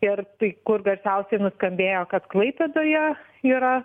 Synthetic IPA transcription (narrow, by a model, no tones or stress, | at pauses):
ɪrt̪ɐɪkʊrɡɐɾʲsʲɛʊsʲɛɪnʊskɐmʲbʲeːjoːkɐt̪klˠɐɪpʲed̪oːjɛ | iːɾɐ